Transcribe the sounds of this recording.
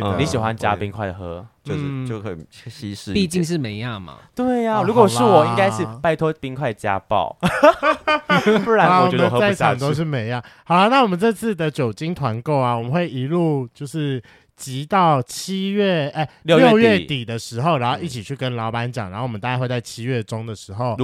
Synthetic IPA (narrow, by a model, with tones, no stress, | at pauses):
ni˨˦ɕi˨˩xwa˦nt͡ɕja̰˦pi˦ŋkʰwa˥˩ɪ˩xɤ˧˥t͡ɕjo˥˧ʊ˥ʂɻ̩˥˩t͡ɕjo˥˨ʊxə˧˩ɕi˧˥ʂ̩˥˧pi˥˧t͡ɕi˥˧ŋʂ̬ɻ̩˥˨me˧˥ɪjɑ˥˩ŋmɐ̰˨˩t̪we˥˩ɪa˨ɻu˧˥kwɔ˨ʂɻ̩˥˩wɔ˨˩i˥˧ŋka˦ɪʂɻ̩˥˧pa˥˧˩ɪt̪ʰwɔ˥pi˥ŋkʰwa˥ɪt͡ɕja̰˦˥pɑ̰˥˨ʊ | pu˧˥a˧˦a˦˨wɔ˨˧˨ə˧nxa˥˧˥t͡ɕa˧˨˩t̪o˥ʊʂ̬ɻ̩˥˩me˧˥ɪjɑ˥˨hɑ˨˩la˦na˥˩wɔ˨˩mə˨nʈ͡ʂɤ˥˧t͡sʰɹ̩˥˩d̪ə˨t͡ɕjo˨˩ʊt͡ɕi˦ŋt̪ʰwa˧˦nko˥˩ʊa˩wɔ˨mə˨˦nxwe˥˩ɪi˧˥lu˥˧t͡ɕjo˥˧ʊʂɻ̩˥˩ | t͡ɕi˧˦t̪ɑ˥˩ʊt͡ɕʰi˥ɥɛ˥˩ə˥˧˩ljo˥˧ljo˥˧ʊɥɛ˥˩t̪i˨˩d̪ə˦ʂɻ̩˧˥xo˥˧ʊɻa˧˦nxo˥˧ʊi˥˩t͡ɕʰi˨˩t͡ɕʰy˥˩kə˦nlɑ˧˥ʊpa˧˦nt͡ɕjŋɻo˥˩wt̪a˥˧a˥˧wt͡sa˥˩ɪt͡ɕʰi˦˥ɥɛ˥˩ʈ͡ʂo˦ŋd̪ə˨ʂɻ̩˧˥˦xo˥˩ʊ˧